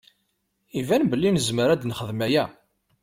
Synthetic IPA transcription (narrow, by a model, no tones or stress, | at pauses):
ivænbəlːinəzməɾæd̪nχəðmæjæ